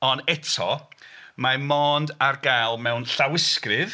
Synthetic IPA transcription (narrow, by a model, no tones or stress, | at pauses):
ɔnɛtʰɔ̰ | mamɔːndarɡajlˠmɛwnɬawɪskrɨð